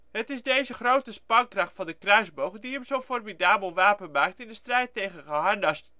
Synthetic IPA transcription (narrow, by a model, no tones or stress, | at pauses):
hətɪsdeːzəχrowtəspɑŋkrɑχtfɔndəkrœɥzbowχdiəmzowformidaːbəlˠʋaːpənmaːk̚tɪndəstrɛjttejɣənχəɦɑndɑst